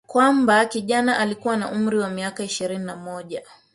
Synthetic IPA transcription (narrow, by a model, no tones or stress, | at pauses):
kwambakiʄanaʔalikuwana̰ʔum̩ɾiwamiakaiʃiɾininamɔʄa